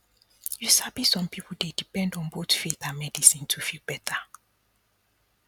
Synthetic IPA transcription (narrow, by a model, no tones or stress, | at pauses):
jusabisɔ̃mpipl̩dedipɛ̃ndɔ̃nbotfitãmɛdisĩntʰufilˠbɛtʰa